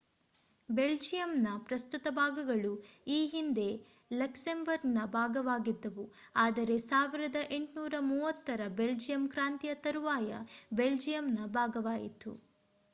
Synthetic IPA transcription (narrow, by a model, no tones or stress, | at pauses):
be̞ld͡ʒijɐmnɐpɾɐst̪ut̪ɐbʱaːɡɐɡɐɭuiːɦind̪e̞ | lɐksembɐɾɡnɐbʱaːɡɐʋaːɡid̪ːɐʋu | aːd̪ɐɾe̞saːʋiɾɐd̪ɐʔe̞ɳʈnuːɾɐmuːʋɐt̪ːɐɾɐbe̞ld͡ʒijɐmkɾaːnt̪ijɐt̪ɐɾuʋaːjɐ̰be̞ld͡ʒijɐmnɐbʱaːɡɐʋaːjḭt̪ṵ